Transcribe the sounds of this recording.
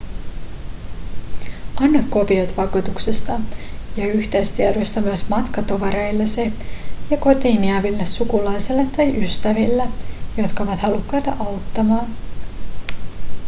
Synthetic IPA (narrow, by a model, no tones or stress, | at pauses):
ɑnːɑkko̞piot̪ʋɑkut̪uksest̪ɑjɑyçt̪est̪ieɾost̪ɑmyæsmɑt̪kɑt̪oʋɑɾejlːesejɑko̞t̪iːniæʋilːesːukulɑjselːet̪ːɑjʔyst̪æʋilːæjo̞t̪kɑoʋɑt̪hɑlukːɑjt̪ɑ̰ʔɑwt̪ːɑmɑːn